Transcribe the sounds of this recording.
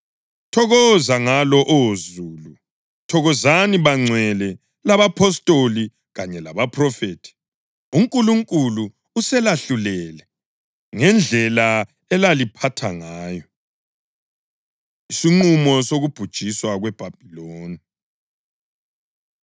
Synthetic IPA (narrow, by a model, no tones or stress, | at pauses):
tʰɔɣɔzaŋalɔʔozuːlu | tʰɔɣɔzaniβaŋ͡ǀʱwɛlɛ | laβapʰɔstʼoli | ɣaɲɛlaβapʰrɔfeːtʰi̥ | uŋkʼuluŋkʼulu | usɛlaɬulɛlɛ | ŋɛnd͡ɮʱɛla | ɛlalipʰatʰa̰ŋaːjɔ | isiŋ͡ǃumɔsoɣub̥ʱud̥ʒ̥ʱiswaɣwɛb̥ʱab̥ʱiloːni